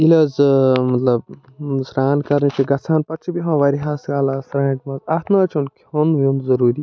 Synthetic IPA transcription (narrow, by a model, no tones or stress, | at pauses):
ilɐːzmɐt̪lɐb̚ | sɾaːnkɐɾnit͡ʃʰiɡɐt͡sʰaːnpɐʈt͡ʃʰibiɦõːʋɐɾiɦaːsɡaːlasɾaːʈmɐzaːt̪ʰnaːt͡ʃʰunkhonʋomzɐɾuːɾi